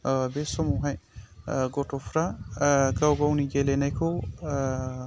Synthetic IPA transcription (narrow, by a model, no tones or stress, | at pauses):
besɔmuɦãj | ɡoʈʰopʰɾaɡawɡawniɡelenejkʰo